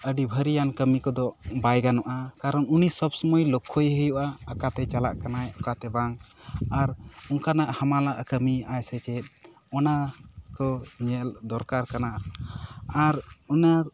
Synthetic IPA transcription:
əɖibʱəɾijankəmikɔd̪ɔbajɡanɔʔakaɾənunisəbsɔmɔjlɔkʰːojɦəjuʔaːkat̪ɛt͡ʃalaʔkanajɔkat̪ɛbaŋaɾuŋkanaʔhamalaʔkəmiajsɛt͡ʃɛt̪̚ˀ | ɔnakɔɲɛld̪ɔɾkaɾkanaʔ | aɾuna

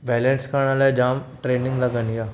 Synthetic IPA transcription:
bɛlənskaɽ̃alad͡ʑamʈɾeniŋɡləɡənja

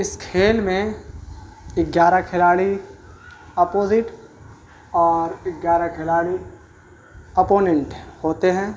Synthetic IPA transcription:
ɪskʰeːlmẽ | ɪɡjaːɾakʰɪlaːɽi | ɐpoːzɪʈ | ɔːɾɪɡjaːɾakʰɪlaːɽi | ɐpoːnɛ̃ɳʈhoːt̪eɦɛ̃ː

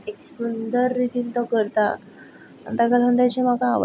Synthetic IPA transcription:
eksund̪əɾːit̪iːnt̪ɔkəɾt̪a | a̰nt̪akalənt̪at͡ɕem̤aka̰ːʋə̰

